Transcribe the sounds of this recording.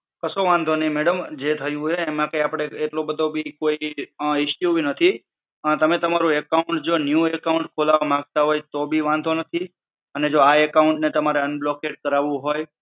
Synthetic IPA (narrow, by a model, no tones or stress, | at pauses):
kəsoʋãnd̪ʱoneĩmeɽəmd͡ʒet̪ʰəjũeːmãkə̃japɽ̃eeʈlobəd̪ʱobʱikoiɪʃjubʱinət̪ʰi | t̪əmet̪əmaɾũekauɳʈd͡ʒonjũekauɳʈkʰolaʋamãɡ̚t̪aɦojt̪obʱiʋãnd̪ʱonət̪ʰi | əned͡ʒoaekauɳʈnet̪əmaɾeənblokeʈ̚kəɾaʋũɦoj